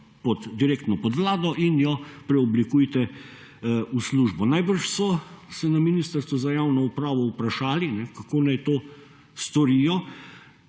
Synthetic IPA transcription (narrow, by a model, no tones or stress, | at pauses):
pɔd̪d̪iɾeːkt̪nɔpɔd̪ʋlaːd̪ɔʔinjɔpɾɛɔblikuːjt̪ɛ | usluːʒbɔnajbəɾʃsɔsɛnaminiːst̪əɾst̪ʋuzajaːwnɔupɾaːʋɔupɾaʃaːlinɛkakoːnajt̪oː | st̪ɔɾijɔ